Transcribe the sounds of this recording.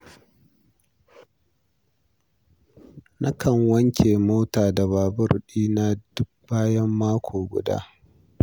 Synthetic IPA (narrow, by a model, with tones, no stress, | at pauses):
nʔɐ˦kʰɐ˨ŋwɐ˦ŋkʲʰeː˨moː˦taː˨da˨βaː˨bʊ˦˨rɗiː˦na˦d̥ʊ˦k̚b̥aː˦jɐ˦mːaː˦kʷʰoː˨ɡʷʊ̰˨da̰ː˦